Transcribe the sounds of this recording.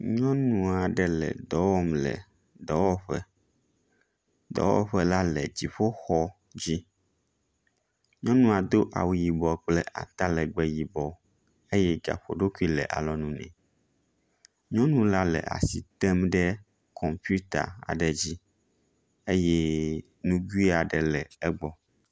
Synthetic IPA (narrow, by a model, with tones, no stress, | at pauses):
ɲɔ̃˦nũ˨a˨ɖɛ˦lɛ̰˨d̪ɔ˨˦wɔ˦mlɛ̰˨ | d̪ɔ˨˦wɔ˦ɸɛ̰˦ | d̪ɔ̰˨˦wɔ̰˦ɸɛ˦la˦lɛ˨d͡ʑi˨ɸo˦xɔ˦ | d͡ʑi˦ | ɲɔ̃˦nũ˦a˨d̪o˦ʔa̰˨wji˨bɔ˨k͡plɛ˦ʔa̰˨t̪a˦lɛ˨ɡ͡bɛ˦ji˨bɔ˨ | e˦jɛ˦ɡa̰˨ɸo˨ɖo˦ku˦i˦lɛ̰˨ʔa̰˨lɔ˨nũ˦nɛ̰̃˨ | ɲɔ̃˦nũ˦la˦lɛ̰˨a̰˨si˨t̪ɛ˦mɖɛ˦ | kʰɔ˨mpu˦t̪a̰˨a̰˨ɖɛ˨d͡ʑi˦ | e˦jɛ˦ | nũ˦ɡu˦i˦a˨ɖɛ˨lɛ˨ɛ˦ɡ͡bɔ˦